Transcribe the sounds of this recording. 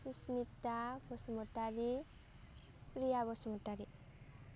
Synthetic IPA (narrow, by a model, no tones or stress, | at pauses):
susmit̪ːabɔsmɔʈaɾi | prijabɔsmoʈaɾi